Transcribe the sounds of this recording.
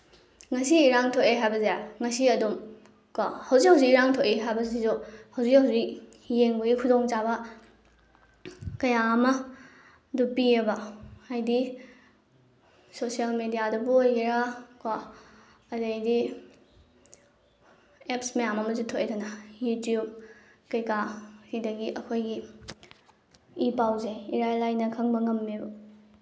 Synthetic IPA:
ŋɐsiːɾaŋtʰoʔeɦajbɐzejaŋɐsiɐdum | kɔ̰hɐwzihɐwzikiɾaŋtʰoʔeɦajbɐzizohɐwzikhɐwzik̚ | jeŋbɐɡikʰudoŋt͡ʃabɐ | kɐjaːmɐ | dupiɐbɐajdi | sosialmedijadɐboiɾakwa | ɐdejdi | epsmejamɐmɐzutʰoʔedɐnɐjutjub̚ | kɐjkahidɐɡiʔɐkʰojɡi | ipawzeiɾajlajnɐkʰɐŋbɐŋɐmːibu

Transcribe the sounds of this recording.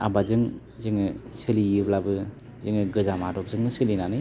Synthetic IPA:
a̰bazɯŋ | zɯŋɯsɯliɯblabɯ | zɯŋɯɡɯzamadɔk̚zɯŋnɯsɯlinanɯ

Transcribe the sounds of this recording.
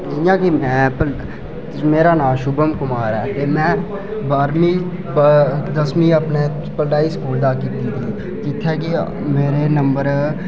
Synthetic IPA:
d͡ʒɪjãːkimɛ̃ːpə | meːɾaːnãːʃʊbəmkʊmaːɾɛːt̪emɛ̃ː | baːɾmĩ | bd̪əsmĩːəpne | pəlɖaːiskuːld̪aːkid̪iːt̪ʰiː | d͡ʒɪt̪ʰːeki | meːɾenə̃mbəɾ

